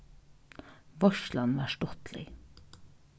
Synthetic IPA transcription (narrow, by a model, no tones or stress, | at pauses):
ʋɔʃlɑnæːʃʈɔt̪ʰlɪ̰